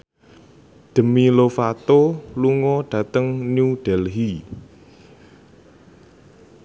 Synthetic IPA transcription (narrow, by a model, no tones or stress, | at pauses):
d̪̥ə̤milofat̪oluŋɔɖ̥ä̤t̪əŋnuɖ̥ɛlɦi